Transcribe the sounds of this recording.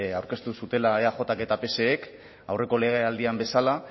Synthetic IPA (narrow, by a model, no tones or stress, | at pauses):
awɾke̞st̪usut̪e̞laeaxo̞t̪ake̞t̪ape̞se̞ːk | awre̞ko̞le̞ɣ̞eald̪iambe̞sala